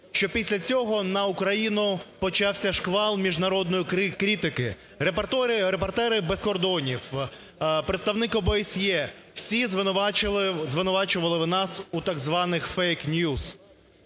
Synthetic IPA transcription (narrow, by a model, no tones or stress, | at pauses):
ʃt͡ʃɔpʲisʲlʲɐt͡sʲɔɦɔnɐukɾɐjinʊpɔt͡ʃɑwsʲɐʃkʋɑlˠmʲiʒnɐɾɔd̪nɔjikkɾʲit̪ɪkɪ | ɾept̪ɾɪɾepɔrt̪ɛɾɪbeskɔrd̪ɔnʲiw | pɾet̪st̪ɐwnɪkɔbesʲjɛ | w̥sʲizʋˠ | zʋɪnʊʋɑt͡ʃʊʋɐlˠɪʋnɑsut̪ɑɡzʋɑnɪxfɛjknʲjuz̥